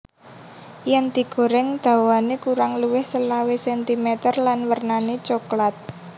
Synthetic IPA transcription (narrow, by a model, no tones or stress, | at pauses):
jɛŋd̪̥i̤ɡ̥o̤ɾɪŋd̪̥a̤wanekuɾaŋluwɪhsəlawesɛnt̪imɛt̪ərlanwərnanet͡ʃoklat̪̚